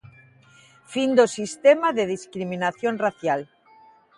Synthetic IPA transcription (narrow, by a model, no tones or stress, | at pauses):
find̪osist̪emaðeðiskɾiminaθjonraθjal